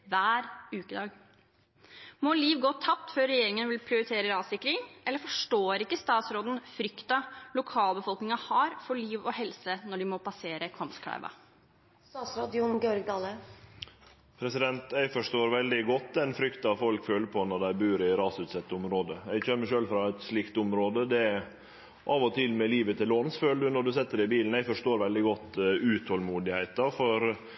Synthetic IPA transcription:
ʋæːɾʉːkəd̪ɑːɡ | mɔliːʋɡoːt̪ʰːɑp̚t̪føːɾːɛjeːɾɪŋənʋɪlpʰɾɪʊɾɪt̪ʰeːɾəɾɑːsɪkɾɪŋʔɛlːəɾfɔʂʈoːɾɪkːəst̪ɑːt̪sɾoːd̪n̩fɾʏkt̪ɑlʊkʰɑːləbəfɔlknɪŋɑhɑːɾfɔɭiːʋɔhɛlsənɔɖɪmɔpɑseːɾəkʰɑmskʰæ̰ɪʋɑ̰ | st̪ɑːt̪sɾɑːd̪ɪʊnɡeːɔɾɡd̪ɑːlə | pʰɾɛsɪd̪ɛnt̪æɪfɔʂʈoːɾʋɛld̪ɪɡɔt̪ːɛnfɾʏkt̪ɑʋfɔlkføːləpʰɔnɔɖ̪æɪbʉːɾɪɾɑːsʉt̪sɛt̪ːəʊmɾoːd̪əɛɡçømːəɕøːlfɾɑɛt̪sliːkt̪ʊmɾoːd̪əd̪ɛ | ʔɑːʋɔt̪ʰɪlmɛliːʋət̪ʰɪloːnsføːld̪ʉnɔɖʉsɛt̪ːəɖɪbiːln̩æɪfɔʂʈoːɾʋɛld̪ɪɡɔt̪ːʉt̪ʰhɔlmuːd̪ɪhæɪt̪ɑfɔɾ

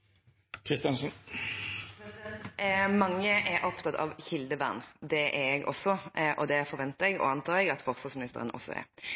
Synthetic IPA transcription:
kʰʁɪst̪jɑnsn | mɑŋːəʔɛɾʔɔpt̪ɑt̪ʰɑ̰ʋçɪld̪əʋæʁnd̪ɛʔɛɛɡɔ̰sːɔʔɔd̪ɛfɔʁʋɛnt̪əɛɡɔ̰ɑnt̪ʰɑːɾɛɡɑt̪fɔʁsɑsmɪnɪst̪ə̰ʁənʔɔ̰sːɔ̰ɛ̰ɾ

